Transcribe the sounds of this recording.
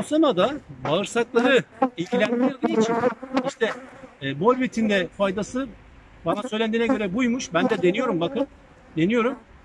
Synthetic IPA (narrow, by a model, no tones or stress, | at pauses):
osanad̪abaɯɾsaklˠaɾɯilʲɟilʲænd̪alˠɯjit͡ʃʰiniʃt̪ʰɛːbo̞lʲbit̪ʰind̪ɛfajd̪asɯ | banasø̞jlʲænd̪iːnɛɟø̞ɾɛbujmuʃbænd̪ɛd̪e̞nijo̞ɾumbakɯn | d̪e̞nijo̞ɾum